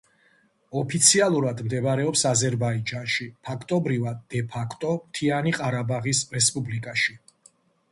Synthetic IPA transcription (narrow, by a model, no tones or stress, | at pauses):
ɔpʰit̪sʰialˠuɾad̪md̪ɛbɾɛɔpsazɛɾbaid͡ʒanʃipʰakʰt̪ʼɔbɾivad̪̚ːɛpʰakʰt̪ʼɔmt̪ʰianiqʼaɾabaʁisɾɛspʼublikʼaʃi